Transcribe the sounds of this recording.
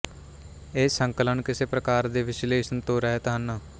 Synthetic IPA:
eːsəŋkələɳkɪseːpɾəkaːɾd̪eːʋɪsleːʃənt̪oːɾəɦeːt̪əɦənːaː

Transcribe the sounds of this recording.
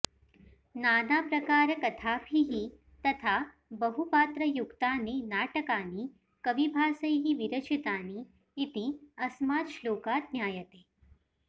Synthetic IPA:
naːnaːpɾɐkaːɾɐkɐt̪ʰaːpʰiɦi | t̪ɐt̪ʰaː | bɐɦupaːt̪ɾɐjukt̪aːneːnaːʈɐkaːniː | kɐʋibʱaːsɐjɦiʋiɾɐt͡ʃit̪aːniː | t̪iɐsmaːt̪ʃloːkaːt̪̚njaːjɐt̪eː

